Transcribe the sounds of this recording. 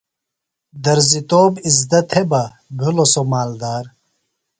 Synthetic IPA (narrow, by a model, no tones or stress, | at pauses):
d̪ɐɾzit̪oːbizd̪ɐt̪ʰebɐ | bʱulosomaːld̪aːɾ